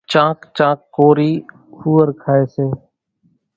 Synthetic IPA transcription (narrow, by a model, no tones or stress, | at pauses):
t͡ʃãːkt͡ʃãːkːoːɾiː | huːəɾkʰaːeːseː